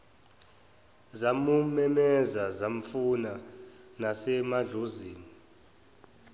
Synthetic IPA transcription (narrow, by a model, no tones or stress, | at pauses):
zamumɛmɛzazam̩funanasɛmaɮoziːni